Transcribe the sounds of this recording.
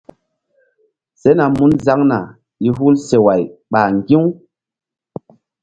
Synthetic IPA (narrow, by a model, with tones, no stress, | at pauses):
se˦na˨mu˦nza˦ŋna˨ | i˦ɦu˦lse˨wa˨jɓaː˨ŋɡi˦